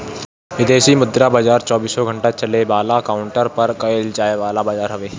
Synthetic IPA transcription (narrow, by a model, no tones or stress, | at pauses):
ʋɪd̪eːsimʊd̪ɾabaːd͡ʒaːɾt͡ʃɔːbiːsoɡʱə̃ɳʈat͡ʃəlebaːlakaːʊɳʈəɾpɐɾkɐɪld͡ʒaːeʋaːlabaːd͡ʒaːɾɦɐʋeː